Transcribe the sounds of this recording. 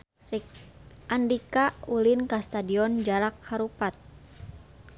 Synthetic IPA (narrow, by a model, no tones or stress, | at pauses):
ʔandikaulinkast̪adiɔnd͡ʒaɾakhaɾupat̪̚